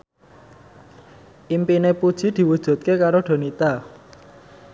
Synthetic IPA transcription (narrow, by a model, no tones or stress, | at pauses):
ʔimpinepud̥ʒ̥i̤d̪̥i̤wud̥ʒ̥ṳt̪̚kekaɾoɖ̥o̤nit̪a